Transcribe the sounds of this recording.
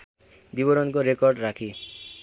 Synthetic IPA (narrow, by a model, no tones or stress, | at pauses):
bibʌɾɔnkoɾekɔrɖɾakʰi